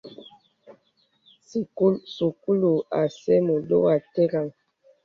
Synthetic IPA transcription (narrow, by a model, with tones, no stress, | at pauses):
si˨ku˦su˨ku˦lu˨a˨sɛ˦mo˨do˦wa˨te˦ɡa˨ŋ